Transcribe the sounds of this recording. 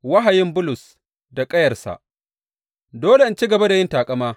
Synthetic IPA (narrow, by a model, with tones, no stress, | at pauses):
wa˦ɦa˨jɪ˦mbʊ˦lʊ˨s | da˨kʼɐ˦jɐ˨rsa̰˨ʔ | doː˦le˨ɪ˦nt͡ʃi˦ɡɐ˨ba˦da˨jɪ˦ntaː˨kʼɐ˦maː˦